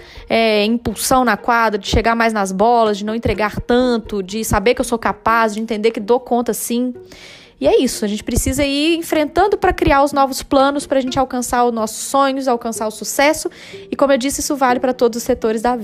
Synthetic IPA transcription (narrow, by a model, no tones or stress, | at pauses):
ɛĩpuwsɐ̃w̃nɐkwad̪ɾɐd͡ʒɪʃeɡaɾmajznɐzbɔlɐzd͡ʒɪnɐ̃w̃ẽnt̪ɾeɡaɾt̪ɐ̃t̪ʊd͡ʒɪsabeɾkɪewsokapazd͡ʒɪẽnt̪ẽnd̪eɾkɪd̪okõnt̪ɐsĩ | ɪɛisʊɐʒẽnt͡ʃɪ̥pɾɪsizɐiɾẽfɾẽnt̪ɐ̃nd̪ʊpɾɐkɾiaɾʊznɔvʊsplɐ̃nʊspɾɐʒẽnt͡ʃɪawkɐ̃saɾʊznɔsʊ̥sːõɲʊzawkɐ̃saɾʊsusɛsʊ | ɪkõmʊewd͡ʒisɪisʊvalɪpɾɐt̪od̪ʊzʊset̪oɾɪzd̪ɐvi